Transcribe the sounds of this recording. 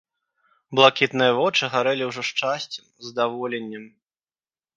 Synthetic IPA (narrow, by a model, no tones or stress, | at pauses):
blˠakʲit̪nɨjɐvɔt͡ʂɨɣaɾɛlʲiwʐɔʂt͡ʂasʲt͡sʲɛmzd̪avɔlʲɛnʲːɛm